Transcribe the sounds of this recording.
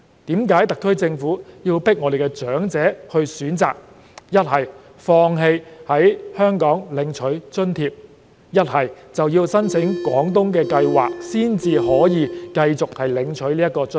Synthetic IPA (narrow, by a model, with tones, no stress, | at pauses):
t̪iː˨˥mkaː˨˥jt̪ɐ˨kʰːɵ˥ɥt͡sɪ˧ŋfuː˨˥jiː˧wpɪ˥k̚ŋɔː˨˧de˨˩kɛ˧t͡ʃœː˨˥ŋt͡sɛː˨˥hɵ˧ɥsyː˨˥nt͡sa̰ː˨k̚ | jɐ˥t̚hɐ˨˩j | fɔː˧ŋɦe˧jhɐ˨˥jhœː˥ŋkɔː˨˥ŋlɪ˨˧ŋt͡ʃʰɵ˨˥ɥt͡ʃɵ˥nt̪ʰiː˧p̚ | jɐ˥t̚hɐ˨˩jt͡sɐ˨wjiː˧wsɐ˥nt͡sʰɪ˨˥ŋkwɔː˨˥ŋt̪ʊ˥ŋk̬ɛː˧kɐ˧jwa̰ː˨k̚siː˥nt͡siː˨˧ɦɔː˨˥jiː˨˧kɐ˧jt͡sʊ˨k̚hɐ˨jlɪ˨˧ŋt͡ʃʰɵ˨˥ɥliː˥jɐ˥t̚kɔː˧t͡s